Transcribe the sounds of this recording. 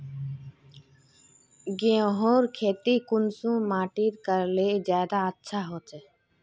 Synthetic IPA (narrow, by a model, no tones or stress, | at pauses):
ɡẽɦoːɾkʰeːt̪iːkʊnsũːmaːʈiːɾkəɾleːzjaːd̪aːətːʃʰaːɦoːt͡ʃɛ